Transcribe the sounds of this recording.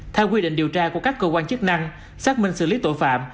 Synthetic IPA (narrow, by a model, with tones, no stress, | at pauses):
t̪ʰɛ˧wk̬wi˧ɗḭ˧˨ŋ̟ɗi˨˩əwt͡ɕaː˧ku˧˩əkaː˦˥kːəː˧kwaː˧nt͡ɕɨ˦˥k̚na˧ŋ | saː˦˥k̚mï˧ŋ̟sɨ̰˧˩li˨˦t̪o˧˩˨jfa̰ː˧˨m